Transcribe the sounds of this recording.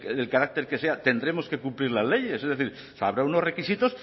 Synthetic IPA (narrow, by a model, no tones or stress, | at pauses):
elkaɾak̚t̪e̞ɾkese̞at̪e̞nd̪ɾe̞mo̞ske̞kumpliɾlazle̞je̞sezðeθiɾ | sa̰βɾaunore̞kisit̪o̞s